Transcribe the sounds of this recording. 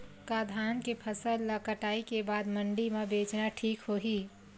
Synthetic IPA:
kaːd̪ʱaːnkepʰəsəlːɐkəʈaːikebaːd̪mə̃ɳɖimẽbeːt͡ʃnaʈʰiːkɦoːɦiː

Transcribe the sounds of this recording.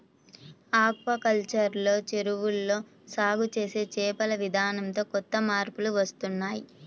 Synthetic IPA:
aːk̚ʋɐkɐlt͡ʃɐɾlo̞ːt͡ʃeɾuʋulːo̞ː | saːɡʱut͡ʃe̞ːse̞ːt͡ʃɛːpɐlɐʋid̪ʱaːnɐnt̪o̞ːkɔt̪ːɐmaːɾpuluʋɐst̪unːaːji

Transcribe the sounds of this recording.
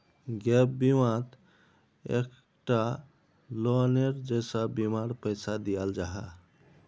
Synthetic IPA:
ɡɛpbimãt̪ | ḛk | ʈa | lɔneɾd͡ʒejsə̃bimaɾpəɪsad̪ijald͡ʒaɦɛ

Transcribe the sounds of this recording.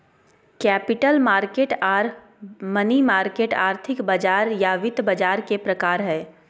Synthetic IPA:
kɛːpɪʈəlmaːɾkeːʈaːɾ | mənimaːɾkeːʈaːɾt̪ʰɪkbɐd͡ʒaːɾjaʋɪt̪bɐd͡ʒaːɾkepɾɐkaːɾɦɛː

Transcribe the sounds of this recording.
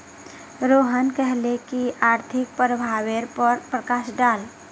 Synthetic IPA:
ɾoːɦənkɛɦlekiaːɾt̪ʰɪk̚pɾəbʱaːweɾpəɾpɾəkaːʃɖaːl

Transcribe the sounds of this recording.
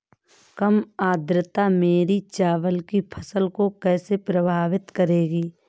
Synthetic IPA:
kəmaːd̪ɾət̪ameːɾit͡ʃaːʋəlkipʰəsəlkokɛːsepɾəbʱaːʋɪt̪kəɾeːɡiː

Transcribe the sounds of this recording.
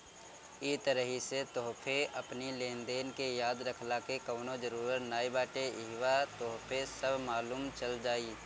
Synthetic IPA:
it̪əɾəɦiset̪oːpʰeɐpnileːnd̪eːnkejaːd̪ɾəkʰlakekɐʋnõd͡ʒəɾuːɾəɾnaːibaːʈeɪɦʋat̪oːpʰesəbʱmaːluːmt͡ʃɐld͡ʒaːiː

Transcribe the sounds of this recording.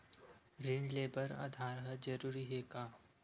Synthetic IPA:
ɾiɳɖleːbəɾə̰d̪ʱaːɾɦəd͡ʒəɾuːɾiɦekaː

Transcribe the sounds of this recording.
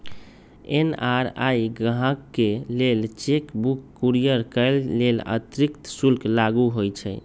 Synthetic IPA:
ḛnaɾajɡɦãkːelelt͡ʃekbukːuɾijəɾkəlːelə̰t̪ɾikt̪sulklaɡuɦojt͡ʃʰɛ

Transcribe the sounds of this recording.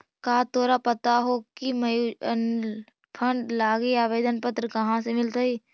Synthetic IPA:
kaːt̪oːɾapət̪aɦokiməjun | pʰə̃ɳɖlaːɡeaːʋeːd̪ʱənpət̪ɾəkɐɦãsemɪlt̪aiː

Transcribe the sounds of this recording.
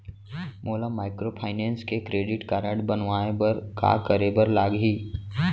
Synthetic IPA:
moːlamaːɪkɾopʰaːɪneːnskekɾeːɖɪʈkaːɾə̃ɳʈbɐnʋaːebɐɾka̰kəɾebəɾlaːɡɦiː

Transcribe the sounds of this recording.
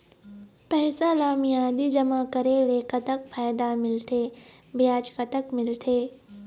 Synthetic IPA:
pɛːsalaːmijaːd̪id͡ʒɐmakəɾeleːkət̪əkpʰaːd̪amɪlt̪ʰeː | bjaːt͡ʃkat̪əkmɪlt̪ʰeː

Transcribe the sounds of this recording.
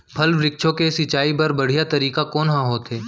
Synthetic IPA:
pʰɐlʋɾɪkʃʰõkesɪt͡ʃaːipɐɾbɐɽ̤ijat̪ɐɾiːkakɔːnɦãɦoːt̪ɦeː

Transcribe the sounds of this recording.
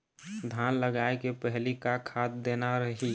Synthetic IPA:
d̪ʱanləɡaekepəɦlikakʰat̪d̪enaɾəɦi

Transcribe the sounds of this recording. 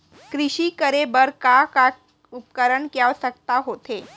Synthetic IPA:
kɾiɕikəɾebəɾkaka | up̚kəɾəɳkjaʋsək̚t̪aɦot̪e

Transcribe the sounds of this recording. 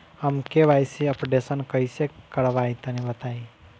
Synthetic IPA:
əmkeʋajsiəpɖesənkəisekəɽʋajt̪ənibət̪aːi

